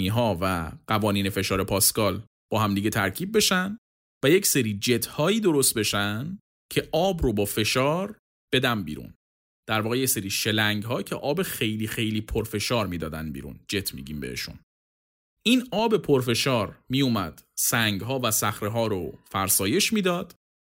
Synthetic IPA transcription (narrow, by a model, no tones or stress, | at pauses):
iːɦɒːvæɢ̥ævɒːniːne̞fe̞ʃɒːɾe̞pʰɒːskɒːl | b̥ɒːɦæmd̪iɡet̪ʰæɾcʰiːb̚ːe̞ʃænd̪ | væje̞cseɾiːd͡ʒe̞t̪ʰhɒːiːd̪o̞ɾo̞st̪̚be̞ʃænd̪ | cʰe̞ʔɒːbɾobɒːfe̞ʃɒːɾ | b̥e̞d̪ænbḭːɾṵn | d̪̥æɾvɒːɣejeseɾiːʃe̞læŋɡɦɒːcʰe̞ʔɒːbexe̞jliːxe̞jliːpʰoɾfe̞ʃɒːɾmiːd̪ɒːd̪æ̰nbḭːɾṵnd͡ʒe̞t̪ʰmḭɟiːmbḛhḛʃṵn | ʔiːnɒːbe̞pʰoɾfe̞ʃɒːɾmijumæd̪̥sæŋɡɦɒːvæsæxɾeɦɒːɾofæɾsɒːje̞ʃmiːd̪ɒːd̪̥